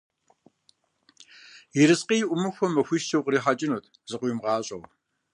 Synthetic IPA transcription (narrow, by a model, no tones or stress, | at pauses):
jɪɾɨsqiːjɪʔʷʊmɨxʷɔmɐxʷiːʃtʰɐwqɾiːħat͡ʃʼɪnoːtʰ | z̥ɨqʷʊjmʁɑːɕʼɐw